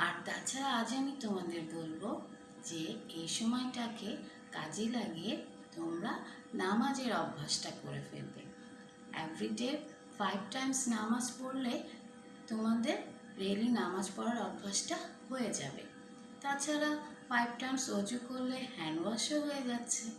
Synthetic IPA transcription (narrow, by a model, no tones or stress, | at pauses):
aɾd̪at͡ɕʰaɾaad͡ʑamit̪omad̪eɾbolbo | d͡ʑeejʃɔmɔeʈake | ka̰d͡ʑelaɡie | t̪omɾa | namad͡ʑeɾɔbʱːaʃʈako̰ɾḛfḛlbḛ | ḛvɾiɖeɾ | fajb̚ʈajmsnamad͡ʑpoɾle | t̪omad̪eɾ | ɾelinamad͡ʑpɔɾaɾɔbʱːaʃʈahojed͡ʑa̰bḛ | t̪at͡ɕʰaɾafajb̚ʈajmsod͡ʑukoɾːehɛnwaʃoɦoed͡ʑatːɕʰe